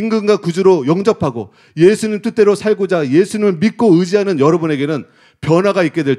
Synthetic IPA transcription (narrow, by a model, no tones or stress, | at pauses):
iŋɡɯŋɡwakud͡ʑuɾojʌŋd͡ʑʌpʰaɡo̰ | jesʰuɲimt͈ʰɯt͈e̞ɾosʰaɭɡod͡ʑaje̞sʰuɲimɯɭmit̚k͈oɯd͡ʑiɦanɯnjʌɾʌbune̞ɡe̞nɯn | pjʌnɦwaɡaik͈e̞dwe̞ɭt͡ɕ